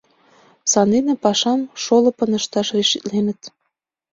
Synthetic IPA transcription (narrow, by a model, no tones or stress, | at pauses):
sɑnenĕpɑʃɑmʃolɤ̆pɤ̆nə̆ʃt̪ɑʃriʃit̪lenə̆t̪